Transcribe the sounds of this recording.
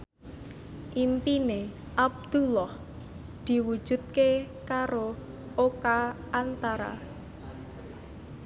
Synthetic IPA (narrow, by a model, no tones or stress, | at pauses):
ʔimpine | ʔab̚d̪̥ulɔh | d̪̥i̤wu̥ʒ̥ṳt̪̚ke | kaɾo | ʔoka | ant̪aɾa̰